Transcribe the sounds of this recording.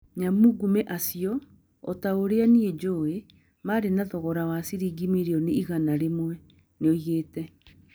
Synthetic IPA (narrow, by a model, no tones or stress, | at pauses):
ɲamuɡumɛʔasiɔ | ɔtaoɾeanied͡ʒoːe | maɾenaðɔɣɔɾawasiɾiɡimeɾeɔneiɣanaɾemwɛ | neɔjeːtɛ